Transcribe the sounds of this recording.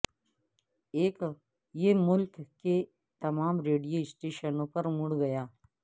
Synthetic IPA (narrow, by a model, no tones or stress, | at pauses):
eːk | jemʊlkːe | t̪ɐmaːmɾeːɖijoɪsʈeːʃənõpɐɾmʊɽɡɐjaː